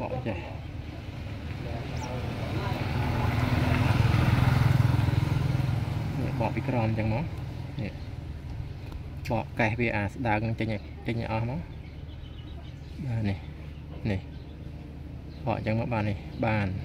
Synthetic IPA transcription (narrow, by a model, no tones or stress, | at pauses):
ɓɑ̰ʔt͡ɕəh | nḭəʔɓɑʔpikrɔmt͡ɕəŋmaːniəʔ | ɓɑːʔkahʋiəʔaːsɗaəknɨŋt͡ɕəɲ | t͡ɕəɲːa̰ʔɑhmaː | ɓaːnih | nih | ɓɑ̰ʔɲt͡ɕəŋmaːʔɓaːnːihɓaːn